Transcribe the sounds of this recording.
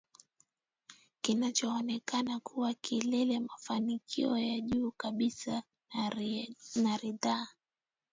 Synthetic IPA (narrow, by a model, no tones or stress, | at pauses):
kinat͡ʃɔːnɛkanakʰuwakʰilɛlɛmafanikʰḭɔjaʄuːkaɓisa | naɾiðaː